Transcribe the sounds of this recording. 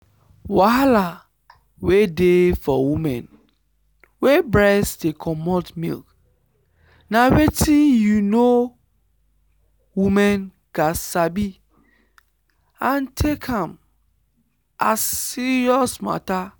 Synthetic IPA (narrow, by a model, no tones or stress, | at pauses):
wala | wedefɔwimɛ̰̃n | webɹɛsdekʰɔmɔtmḭlk | nawetĩnjuno | wimɛ̃n | ɡ̥asabi | ãntʰekʰãm | ʔasːiɹiɔsma̰ta